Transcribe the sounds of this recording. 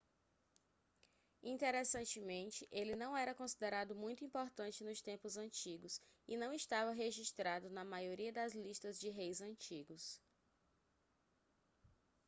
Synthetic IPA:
ĩt̪eɾesɐ̃nt͡ʃɪmẽnt͡ʃɪʔelɪnɐ̃w̃ɛɾɐkõsid̪eɾad̪ʊmũj̃t̪ʊĩpoɾt̪ɐ̃nt͡ʃɪnʊst̪ẽmpʊzɐ̃nt͡ʃiɡʊsɪnɐ̃w̃ist̪avɐɦeʒiʃt̪ɾad̪ʊnɐmajoɾiɐd̪ɐzliʃt̪ɐzd͡ʒɪɦejzɐ̃t͡ʃiɡʊs

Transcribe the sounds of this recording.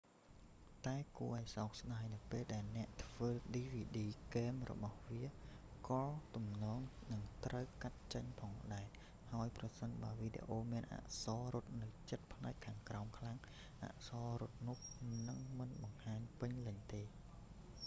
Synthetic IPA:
t̪aɛkuəʔaɔsaɔk̚sɗaːjnɨwpeːlɗaɛlnɛ̆əʔt̪ʰʋəːɗiːʋiːɗiːkɛːmrɔ̰ɓɑhʋiəkɑːt̪umnɔːŋnɨŋt̪rəwkat̪̚t͡ɕəɲpʰɑːŋɗaɛ | haəjprɑsənɓaəʋiːɗḛʔoːmiənʔa̰ʔsɑːrʊ̆ət̪̚nɨwt͡ɕət̪̚pʰnaɛkʰːaːŋkraɔmkʰlaŋ | ʔa̰ʔsɑːrʊ̆ət̪̚nʊ̆əhnɨŋmɨnɓɑŋhaːɲpɨɲlɨɲt̪eː

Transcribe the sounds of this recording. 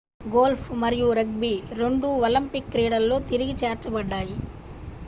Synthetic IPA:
ɡoːlpʰmɐɾijuɾɐɡ̚biɾe̞ɳɖuɐlimpikːɾiːɽɐlːo̞ːt̪iɾiɡit͡ʃaːɾt͡ʃɐbɐɖːaːji

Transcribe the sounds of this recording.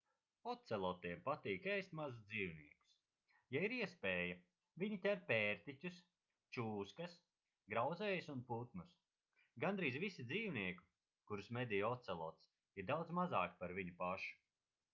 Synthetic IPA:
ɔt̪sɛlˠɔt̪iɛmpat̪iːkɛjst̪mazusd̪ziːwniɛku̥s | jaiɾiɛspeːjɐ | viɲit̪ʲæɾpʲeːɾt̪itʲus | t͡ʃuːskɐs | ɡɾawd̪zɛːjsunput̪nus | ɡand̪ɾiːzvisid̪ziːwniɛku̥ | kuɾsmɛd̪ijɔt̪sɛlˠɔ̰t̪s | iɾd̪awd̪zmazaːkpaɾviɲupaʃu̥

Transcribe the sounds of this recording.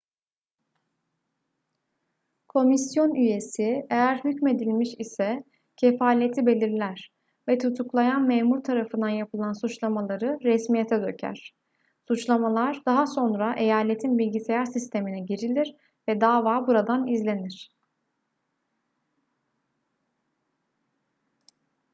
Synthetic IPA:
kʰo̞misjo̞nʔyje̞siejæɾhycme̞d̪ilʲmiʃisɛ | cʰefaːlʲiet̪ʰibe̞lʲiɾlʲæɾ̥ | vɛt̪ʰut̪ʰuklˠajanmeːmuɾt̪ʰaɾafɯnd̪anjapʰɯlˠansut͡ʃlˠamalˠaɾɯɾɛsmijet̪ʰɛd̪ø̞cʰæ̰ɾ̥ | sut͡ʃlˠamalˠaɾd̪aɦaso̞nɾaʔe̞jaːlʲe̞t̪ʰinbilʲɟise̞jæɾsist̪ʰe̞minɛɟiɾilʲiɾ | vɛd̪aːvaːbuɾad̪anizlʲe̞niɾ̥

